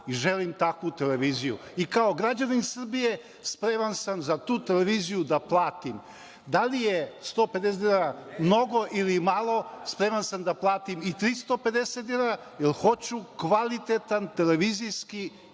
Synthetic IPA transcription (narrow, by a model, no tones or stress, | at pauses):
iʒelimt̪akʋut̪e̞leʋiːzijṵikao̞ɡɾad͡ʑaninsr̩bije | spɾemansamzat̪uːt̪e̞leʋizijud̪aplˠaːt̪im | d̪alijest̪oːpe̞d̪es̬ed̪inaɾamno̞ɡo̞ʔilimalˠo̞spɾemansamd̪aplˠaːt̪imit̪ɾist̪o̞pe̞d̪e̞set̪ilaɾa | jelxo̞t͡ɕukʋalit̪et̪ant̪e̞le̞ʋiːzijski